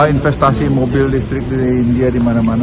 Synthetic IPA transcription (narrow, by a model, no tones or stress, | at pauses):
infɛst̪asimobɪldist̪ɾɪk̚diːndiadimanaman